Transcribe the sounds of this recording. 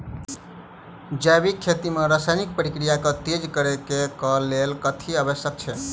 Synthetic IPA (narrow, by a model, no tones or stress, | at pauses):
d͡ʒajbikʰːet̪imeɾasajnik̚pəɾikɾijaket̪ed͡ʒkəɾekekəlelkət̪ʰiəbəsjək̚t͡ʃʰɛ